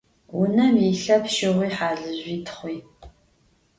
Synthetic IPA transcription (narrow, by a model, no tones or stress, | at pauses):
wʊnɐmiɬɐpʃɪʁʷiːħaːɮɨʑʷiːtʰχʷiː